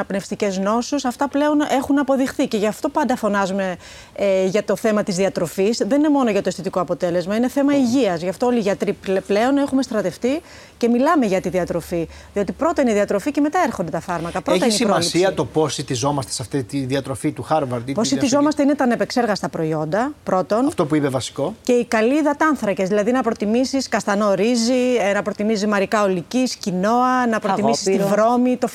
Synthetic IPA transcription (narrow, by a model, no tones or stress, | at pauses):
ɐpnefst̪ice̞zno̞susɐft̪ɐple̞o̞ne̞xunɐpo̞ðixθice̞ʝɐft̪o̞pɐnd̪ɐfo̞nɐzume̞ | ʝɐt̪o̞θe̞mɐt̪izðiɐt̪ɾo̞fisðe̞nine̞mo̞no̞ʝɐt̪o̞st̪et̪iko̞ɐpo̞t̪e̞le̞zmɐine̞θe̞mɐiʝiɐzʝɐft̪oo̞liʝɐt̪ɾipple̞o̞ne̞xume̞st̪ɾɐt̪e̞ft̪i | ce̞milɐme̞ʝɐt̪iðiɐt̪ɾo̞fi | ðio̞t̪ipɾo̞t̪ɐiniðiɐt̪ɾo̞fice̞me̞t̪ɐe̞ɾxond̪e̞t̪ɐfɐɾmɐkɐpɾot̪ɐineismmɐsiɐt̪opo̞sθit̪izo̞mɐst̪e̥sɐft̪it̪iðiɐt̪ɾo̞fit̪uxaɾvɐɾd̪ipossθit̪izo̞mɐst̪e̞inet̪ɐnɐepe̞kse̞ɾɣɐst̪ɐpɾo̞io̞nd̪ɐpɾo̞t̪o̞nɐft̪o̞puipevɐsi̥koce̞ikɐliðɐt̪ɐnθɾɐce̞zðilɐðinɐpɾo̞t̪imisiskɐst̪ɐnoɾizinɐpɾo̞t̪imizimɐɾikɐoliciscino̞ɐnɐpɾot̪imisi̥st̪ivɾo̞mit̪o